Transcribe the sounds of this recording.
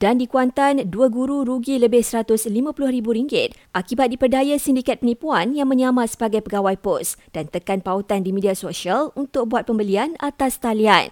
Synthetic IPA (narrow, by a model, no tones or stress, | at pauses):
d̥andikuant̪anduəɡuɾuɾuɡiləbɪhsəɾat̪ʊslimãpulʊhɾibuɾiŋɡɪt̪̚ʔakibat̪̚dipərdajasindikat̪̚pənipuanjaŋmə̃ɲamãsə̥baɡajpəɡawajpɔsd̥ant̪əkanpaut̪andimidiasoʃialunt̪ʊk̚buat̪̚pəmbəlianat̪ast̪alia̰n